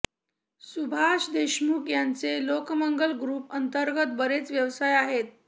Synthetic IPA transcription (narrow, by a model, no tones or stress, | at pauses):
subʱaʂd̪eɕmukjant͡selokməŋɡəlɡɾuːpənt̪əɾɡət̪̚bəɾet͡sʋjəʋsajaɦet̪̚